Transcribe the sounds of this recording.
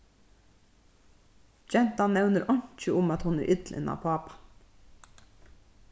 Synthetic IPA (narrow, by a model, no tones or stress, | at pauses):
d͡ʒɛnt̪ɑnnɛʉnəɾʔɑɲt͡ʃəʊmɑt̪hʊnæ̰ːʔʏt̪lɪ̰ʔɪ̰nʔɑ̰ːpʰɑːpɑ̥